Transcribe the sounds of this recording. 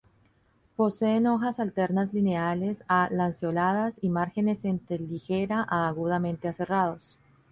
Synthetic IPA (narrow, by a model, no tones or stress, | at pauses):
po̞se̞ːno̞xasalt̪e̞ɾnazline̞ale̞salansjo̞lað̞asimaɾxe̞ne̞se̞nt̪ɾe̞lixe̞ɾaʔaːɣuðamẽ̞nt̪e̞ase̞rað̞o̞s